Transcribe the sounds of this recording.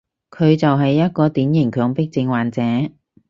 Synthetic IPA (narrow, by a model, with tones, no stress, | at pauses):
kʰɵ˨˧ɥt͡sɐ˨wɦɐ˨jːɐ˥t̚kɔː˧t̪iː˨˥njɪ˨˩ŋkʰœː˨˥ŋpɪ˥k̚t͡sɪ˧ŋwaː˨nt͡sɛː˨˥